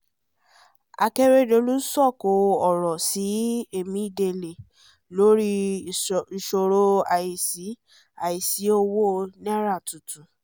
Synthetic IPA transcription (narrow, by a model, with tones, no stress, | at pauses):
a̰˧ke˦ɾe˦do˧˦lu˦sɔ˦˨ko˧˨ɔ˨ɾɔ˨si˨˦e˦˨mĩ˨˦i˦˨de˧˨le˨ | lo˨˦ɾi˦˨ | ʃo˧ɾo˦a˨i˨si˨˦ | a˨ji˨si˨˦o˦wo˦nɛ̃˦ɾa˦˨tu˨tũ˨